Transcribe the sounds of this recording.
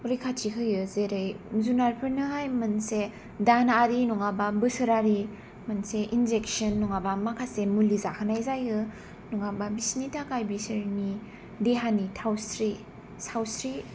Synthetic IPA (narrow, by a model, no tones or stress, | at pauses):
ɔɾikʰatʰikʰɯjɯzeɾɯjzunaɾpʰɯɾnɯɦajmɯnse | danaaɾinɔŋababɯsɯɾaɾi | mɯnseʔinzek̚sɯnːɔŋabamakʰasemulizakʰɯnajzajɯ | nɔŋababisnitʰakajbisɯɾni | deɦanitʰawsɾi | sawsɾi